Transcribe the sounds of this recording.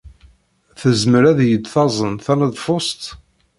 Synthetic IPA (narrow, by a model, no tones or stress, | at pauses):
θəzməɾæðjəd̪θɑzˤənθænəðˤfost̪